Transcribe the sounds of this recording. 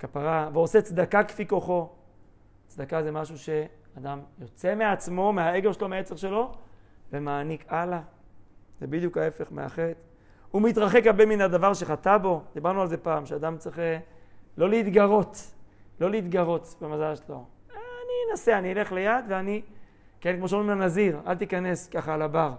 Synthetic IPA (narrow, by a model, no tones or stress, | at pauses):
kapaʁaveoset͡sd̪akakfiko̞χo̞ | t͡sd̪akazemaʃuʃe̞ad̪amjo̞t͡se̞meat͡smo̞meae̞ɡevʃelo̞meet͡seʁʃe̞lo̞vemaːnikala | z̥ebid̪jukae̞fe̞χmḛa̰χet̪ | umit̪ʁaχekhaʁbeminad̪avaʁʃe̞χat̪abo̞d̪ibaʁnualzepaːmʃead̪amt͡sʁiχelo̞leit̪ɡaʁo̞t̪lo̞leit̪ɡaʁo̞t̪bemazalʃlo̞aninase̞aniile̞χlejad̪veani | kenkmoʃamanaziʁa̰lt̪ikane̞skaχaːlabaʁ